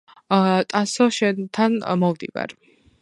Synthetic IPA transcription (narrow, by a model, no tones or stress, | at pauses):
t̪ʼasɔʃɛnt̪ʰanmɔvd̪ḭva̰ɾ